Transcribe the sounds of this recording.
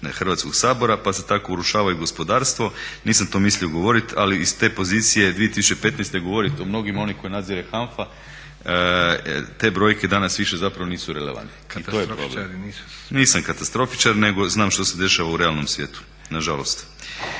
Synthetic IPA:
xrʋat̪sko̞ɡsaːbo̞ɾapaset̪ako̞uɾuʃaːʋauɡo̞spo̞d̪aːɾst̪ʋo̞niːsamt̪o̞mislioɡo̞ʋo̞ɾit̪aliist̪e̞ːpo̞zit̪sije̞d̪ʋiet̪isu̥t͡ʃepe̞t̪nest̪e̞ɡo̞ʋo̞ɾit̪omno̞ɡimao̞niko̞jinad̪ziɾexanfa | t̪e̞bɾo̞jke̞d̪anasʋiʃe̞zapɾaʋo̞niːsuɾeleʋa̰nt̪ni̥it̪ojeɾoble | niːsamkat̪ast̪ɾo̞fi̥t͡ʃaɾne̞ɡo̞znaːmʃt̪o̞se̞d̪e̞ʃaʋauɾe̞alno̞msʋje̞ːt̪u̥ | naʒalo̞̰st̪

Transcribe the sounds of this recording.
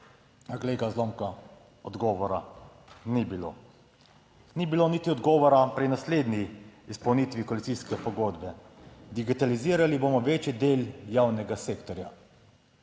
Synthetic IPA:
aɡleːɡazloːmka | ɔd̪ɡɔːʋɔɾanibilo̰ | nibilonit̪iɔd̪ɡɔːʋɔɾapɾinasleːd̪niispɐwniːt̪ʋikoalit̪siskɛpɔɡoːd̪bɛd̪iɡit̪aliziːɾaliboːmɔʋeːt͡ʃid̪eːljaːwnɛɡaseːkt̪ɔɾja

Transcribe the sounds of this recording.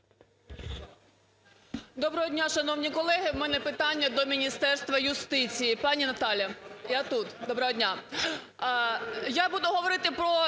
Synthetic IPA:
d̪ɔbɾɐɦɔdʲnʲaʃɐnɔwnʲikɔlˠɛɦɪwmɛnɛpɪt̪ɑnʲːɐd̪ɔmʲinʲist̪ɛrst̪ʋɐjʊst̪ɪt͡sʲijipɑnʲinɐt̪ɑlʲjɐjat̪ut̪d̪ɔbɾɐɦɔdʲnʲa | jabud̪ʊɦɔʋɔɾɪt̪ɪpɾɔ

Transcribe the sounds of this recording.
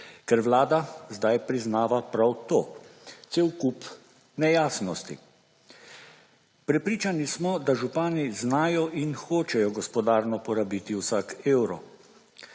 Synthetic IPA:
kɛɾʋlaːd̪azd̪ajpɾiznaːʋapɾawt̪oːt̪seːwkup | nɛjaːsnɔst̪ḭ | pɾɛpɾiːt͡ʃanismɔd̪aʒupaːniznaːjɔinxoːt͡ʃɛjɔɡɔspɔd̪aːɾnɔpɔɾabiːt̪iwsaːkeːwɾɔ̰

